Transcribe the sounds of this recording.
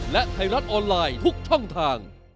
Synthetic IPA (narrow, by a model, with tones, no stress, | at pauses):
lɛ˦˥ʔt̪ʰa˧jɾa˦˥t̪̚ʔɔː˧nlaː˧jt̪ʰu˦˥k̚t͡ɕʰɔ˥˩ŋt̪ʰaː˧ŋ